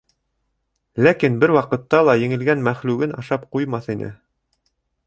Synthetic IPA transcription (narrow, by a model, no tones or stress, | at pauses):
lækinbɘɾwɑqɤ̆t̪ːɑlˠɑjɘ̆ŋɘ̆lɡænmæχlʉɡɘnɑʃɑpqujmɑθinɘ̰